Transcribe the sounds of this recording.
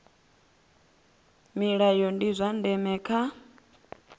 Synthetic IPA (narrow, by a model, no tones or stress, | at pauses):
miɺajɔndizʷandɛmɛːkʰa